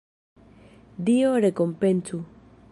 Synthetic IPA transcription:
d̪ioɾekompensu

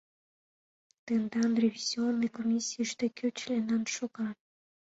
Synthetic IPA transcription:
t̪end̪ɑnrʲevʲizʲionːəjkomʲisʲiəʃt̪ekʲʰøt͡ɕlʲenɑnʃoɣɑ

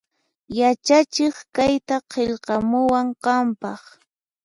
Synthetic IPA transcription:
jat͡ʃat͡ʃɪχkajt̪aqʰeʎqɑmʊwaɴqɑmpɑχ

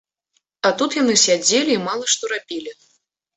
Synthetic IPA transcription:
at̪ut̪janɨsʲad͡zʲelʲiːmalˠɐʂt̪ɔɾapʲilʲi

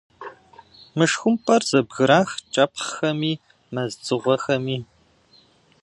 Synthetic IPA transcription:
mɨʂxʷʊmpʰʼɐrzɐbɣɨɾaːxt͡ʃʼɐpχxɐmiː | mɐzt͡sʼɨʁʷɔxɐmiː

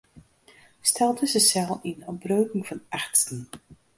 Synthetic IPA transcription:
stʰɛlˠdəzəsɛlˠinɔbrøːkɪŋfɑnaχtstən

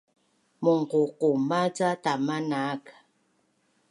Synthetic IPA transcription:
moŋ̩kokomat͡satamanak

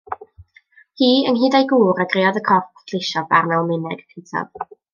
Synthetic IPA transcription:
hiːənɦiːdajɡuːɾaɡreɔðəkʰɔpʰdʰlɪʃɔva̰rmɛlˠmɪnɛɡ̥pʰentʰɔ̰v̥

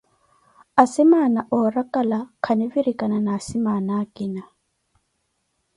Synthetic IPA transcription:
asimanaʔɔɾakʼalakʰaniviɾikananaːsimanaːkʼina

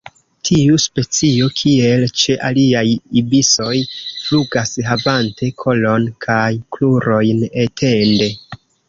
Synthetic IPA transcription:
tʰiuspe̞t͡sio̞kʰie̞lt͡ʃe̞ʔaliajibiso̞jfluɡasɦavantʰe̞kʰo̞lo̞nkʰajkluɾo̞jne̞tʰe̞nde̞

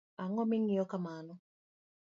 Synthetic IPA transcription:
aŋɔmɪŋiɔkamanɔ

